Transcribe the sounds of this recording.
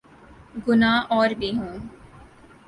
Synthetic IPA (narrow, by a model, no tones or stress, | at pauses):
ɡʊnaːɔːɾbʱiːɦũː